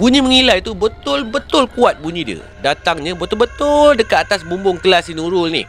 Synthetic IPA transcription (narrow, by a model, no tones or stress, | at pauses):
buɲĩməŋilajt̪ubət̪ʊlbət̪ʊlkuat̪̚buɲĩdiə̰ | dat̪aŋɲãbət̪ʊlbət̪ʊldəkat̪at̪asbumbʊŋt̪əlasinuɾʊlnɪ̰h